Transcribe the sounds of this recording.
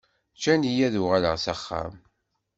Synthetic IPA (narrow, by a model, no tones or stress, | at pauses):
t͡ʃːænijæðuʁaləʁsæχːæ̰m